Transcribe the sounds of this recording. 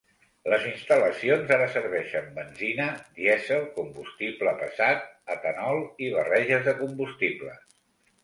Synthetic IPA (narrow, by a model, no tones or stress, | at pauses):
ləzinst̪ələsionzaɾəsəɾβɛʃəmbənzinəd̪iɛzəlˠkumbust̪ipləpəsat̪̚ət̪ənɔlˠiβ̞ərɛʒəzðəkumbust̪iplə̰